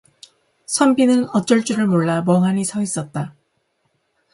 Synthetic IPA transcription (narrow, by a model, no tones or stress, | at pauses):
sʰʌmbinɯnʌt͡ɕ͈ʌɭt͡ɕ͈uɾɯɭmoɭːamʌŋɦaɲisʰʌis͈ʌt̚t͈a